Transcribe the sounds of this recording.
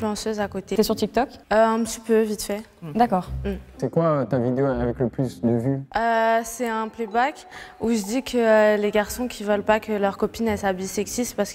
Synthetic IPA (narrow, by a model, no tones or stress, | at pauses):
lɑ̃søzakot̪et̪ɛsyʁt̪ik̚t̪ɔkøɛ̃pət̪ipøvit̪fɛ | d̪akɔːʁm̩sɛkwaøt̪avid̪eoavɛkləplysd̪əvyøsɛɛ̃plebak | uʒəd̪ikʰəleɡaʁsɔ̃kʲʰivœlpakʰəlœʁkɔpinɛlsabisɛksist̪paʁsə̥k